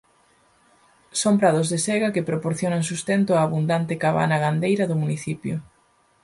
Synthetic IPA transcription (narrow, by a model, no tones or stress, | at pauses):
soŋpɾaðʊzðesɛɣɐkɪpɾopoɾθjonɐŋs̬ust̪ɛnt̪ʊaːβund̪ant̪ɪkaβa̰nɐɣand̪ejɾɐðʊmuniθipjʊ